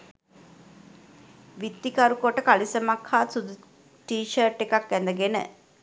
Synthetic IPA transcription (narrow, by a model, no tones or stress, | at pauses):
ʋit̪ːikaɾukoʈəkalisəmakʰhaːsud̪u | ʈiːʃərʈːekakɡænd̪əɡenə̰